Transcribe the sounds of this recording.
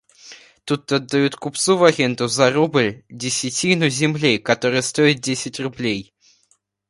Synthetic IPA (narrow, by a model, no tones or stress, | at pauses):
t̪ut̪̚d̪ɐd̪ːajut̪kupt̪suvɐɣʲɛnt̪ʊzɐrubɨlʲdʲɪsʲɪt͡sʲinʊzʲɪmlʲikɐt̪ɔɾɨjəst̪ojɪt̪̚ʲdʲesʲɪtʲrʊblʲej